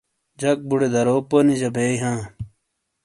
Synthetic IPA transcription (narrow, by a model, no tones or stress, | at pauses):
d͡ʑɐk̚buɽed̪ɐɾoːponid͡ʑɐbeːjɦãː